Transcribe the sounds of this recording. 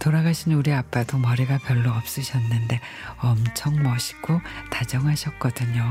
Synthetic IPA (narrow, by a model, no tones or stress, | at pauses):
toɾaɡaɕʰinuɾiap͈adomʌɾiɡapjʌɭːoʌp̚s͈ɯɕʰʌnːɯnde̞ | ʌmt͡ɕʰʌŋmʌɕʰi̥ɡotad͡ʑʌŋɦaɕʰʌk̚k͈ʌdɯɲo